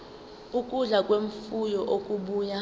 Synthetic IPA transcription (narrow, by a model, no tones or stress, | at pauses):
ukʼuɮakʼweɱfujɔʔokʼuɓuːja